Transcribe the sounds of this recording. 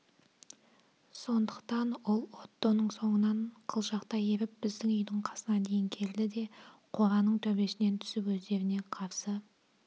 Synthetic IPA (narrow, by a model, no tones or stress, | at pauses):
so̞nd̪əqt̪ɑnwo̞lˠot̪ːonəɴso̞ɴənɑɴqʰəlˠʒɑqt̪ɑjeɾɪp̚bɪzd̪ɪŋʏjd̪ɪɴqʰɑsənɑd̪e̞jɪŋkʲʰe̞ɾlɪd̪e̞qʰo̞ʁɑnəɴt̪ʰɵbe̞sɪne̞nt̪ʰʏ̥sɪpwɵzd̪e̞ɾɪne̞qʰɑɾsə